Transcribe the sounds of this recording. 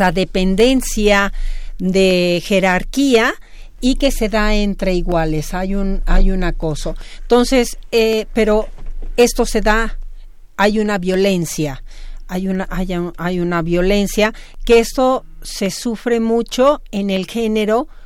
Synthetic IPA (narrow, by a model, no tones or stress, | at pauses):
aðepend̪e̞nsjaðexeɾaɾkia | ikeseðaent̪ɾeiɣwalesajunajunakosoent̪onsesepeɾoest̪oseða | ajunaβjo̞le̞nsjaajunaʔajaajunaβjole̞nsja | keest̪o | sesufɾemut͡ʃoenelxe̞neɾo